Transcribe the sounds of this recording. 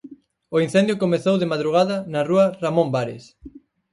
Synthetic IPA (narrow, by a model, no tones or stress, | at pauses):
oin̟θɛnd̪jokomeθowðemaðɾuɣaðɐnɐruɐramõmbaɾḛs